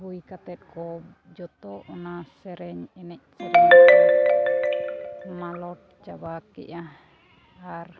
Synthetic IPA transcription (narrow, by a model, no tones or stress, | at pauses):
ɦuikat̪ɛt̪̚kɔb | d͡ʒɔt̪ɔʔɔnasɛɾɛɲɛnɛʔ̚sɛɾɛɲ | malɔt̪̚t͡ʃabakɛ̰ʔah | ar